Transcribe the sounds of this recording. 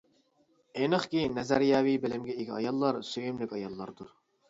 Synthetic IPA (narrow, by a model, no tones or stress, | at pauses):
enəχkʲinɛzæɾjɑːwibɪlɪmɡʲɛeɡʲʰiɑ̰jɑlˠːɑɾsøjymlɪkʲɑjɑlˠːɑɾd̪uɾ